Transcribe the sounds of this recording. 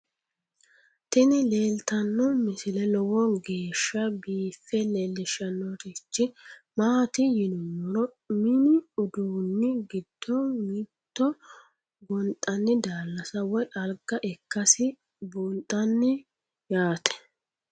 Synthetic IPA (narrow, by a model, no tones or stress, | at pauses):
t̪ɪnɪleːlt̪ɐnːɔmɪsɪlɛlɔwɔɡe̞ːʃːɐbiːfːɛlɛlːɪʃːɐnːɔt̪ɪt͡ʃːɪmaːt̪ɪjɪnʊwɔɾɔ | mɪnɪʊd̪uːnːɪɡɪd̪̥ːɔmɪt̪ːɔ | ɡɔnt̪ʼɐnːɪd̪aːlːɐsɐwɔjʔɐlɡɐʔɛkːɐsɪ | buːnt̪ʼːɐnːɪ | jaːt̪ʰɛ̥